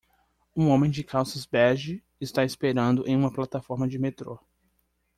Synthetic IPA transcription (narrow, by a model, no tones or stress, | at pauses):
ũõmẽj̃d͡ʒɪkʰawsɪzbɛɾʒɪ | ɪst̪aɪspeɾɐ̃nd̪ʊʔẽj̃ũmɐplat̪afɔɾmɐd͡ʒɪmet̪ɾo